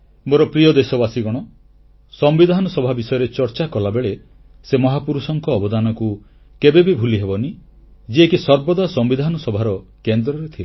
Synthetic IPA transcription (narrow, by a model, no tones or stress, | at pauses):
moɾɔpɾiɔd̪esɔbasiɡɔɽ̃ɔ | sɔmbid̪ʱanɔsɔbʱabisɔjɔɾet͡ʃɔɾt͡ʃakɔlabeɭe | semɔɦapuɾusɔŋkɔːbɔd̪anɔku | kebebibʱuliɦebɔni | d͡ʒiekisɔɾbɔd̪asɔmbid̪ʱanɔsɔbʱaɾɔkend̪ɾɔɾet̪ʰie